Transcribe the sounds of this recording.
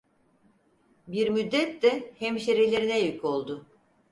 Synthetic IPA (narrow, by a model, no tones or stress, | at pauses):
biɾmyd̪ːɛt̪ːɛhɛmʃeɾilʲe̞ɾinɛjycʰo̞lˠd̪ʊ